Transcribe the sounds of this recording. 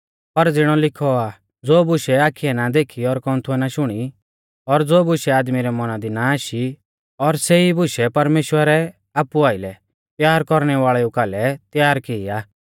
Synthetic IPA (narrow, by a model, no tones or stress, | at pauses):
pɐɾd͡zɪɽ̃ɔlɪkʰɔa | d͡zoːbʊʃɛaːkʰːiɛnad̪eːkʰiɔɾkɔ̃nt̪ʰuɛnaʃʊɽ̃i | ɔɾd͡zoːbʊʃɛaːd̪miɾɛmɔnad̪inaaːʃi | ɔɾseibʊʃɛpɐɾmeːʃwəɾɛ | aːpuaːɪlɛ | t̪jaːɾkɔɾɽ̃ɛʋaːɭɛukaːlɛt̪jaːɾkɪːaː